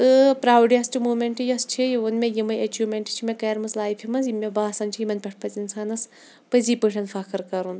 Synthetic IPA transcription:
ɨpɾaːwɖjɐsʈʰimuːmʲeɳʈɨjɐst͡ʃʰijiunmʲejimɐjɐt͡ʃumʲeɳʈt͡ʃʰimekɐːɾmɐslaːjpʰimɐnzjimʲebaːsɐnt͡ʃʰijimɐnʲpʲɐʈ̚ʰpʰɐt͡sinsaːnɐs | pɐziːpɨʈʰʲɐnfʰɐkɨɾkɐɾun

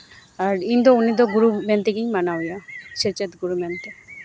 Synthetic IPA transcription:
aɾind̪ɔunid̪ɔɡuɾument̪eɡiɲmanawjaʃet͡ʃet̪ɡuɾumɛnt̪e

